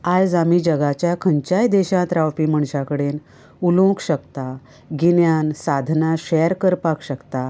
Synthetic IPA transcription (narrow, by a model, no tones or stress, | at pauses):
ajd͡zamiːd͡ʑəɡat͡ɕjakʰəɲt͡ɕajd̪eɕãt̪ɾawpiːm̤əɳɕakəɽen | ulõkɕəkt̪a | ɡinjansad̪ʱnaɕɛjɾkəɾpakɕəkt̪a